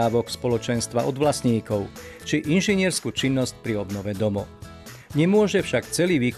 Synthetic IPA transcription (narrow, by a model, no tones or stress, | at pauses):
aːʋɔkspɔlɔt͡ʃɛnst̪ʋaʔɔd̪ʋlasɲiːkɔʊt͡ʃiʔinʒiɲɪɛɾskuːt͡ʃinːɔsc̚pɾiɔbnɔʋɛd̪ɔmɔ̰ | ɲɛmʊɔʒɛfʃakt͡sɛliːʋiːk